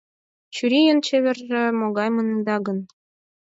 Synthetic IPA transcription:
t͡ɕyɾijənt͡ɕeβʲĕrʒĕmoɣɑjmɤnənd̪ɑɡə̆n

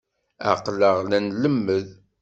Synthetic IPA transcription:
æ̰qləʁlænləmːəð

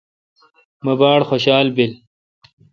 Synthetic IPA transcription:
mɐbaːɽxoɕaːlbil

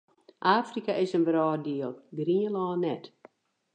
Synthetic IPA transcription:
ʔaːfrikaʔɪsənʋəɾɔːdiəlˠɡriəlɔːnɛt

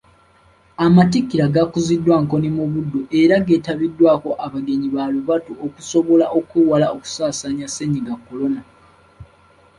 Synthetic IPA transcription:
amatikːiɾaɡakuzidːwaŋko̞nimuβudːoʔeɾaɡe̞ːtaβidːwaːko̞ʔaβaɡe̞ɲiβaluβatuokuso̞βo̞laʔo̞kuwalaoku̥saːsaɲaseɲiɡakːo̞lo̞na

